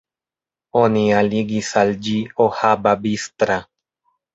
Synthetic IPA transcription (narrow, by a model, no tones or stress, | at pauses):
onialiɡisald͡ʒiohababist̪ɾa